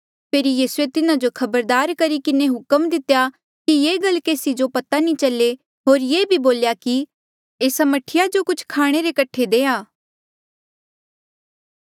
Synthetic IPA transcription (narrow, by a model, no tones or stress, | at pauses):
pʰeːɾijiːsuet̪ɪnad͡ʒokʰɐbəɾd̪aːɾkɐɾikɪneɦʊkəmd̪ɪt̪eja | kijeːɡɐlkeːsid͡ʒopɐt̪anĩt͡ʃɐle | ɦoːɾjeːbʱiboːljaki | eːsɐməʈʰɪjad͡ʒokʊt͡ʃʰkʰaːɽ̃eɾekɐʈʰed̪eːaː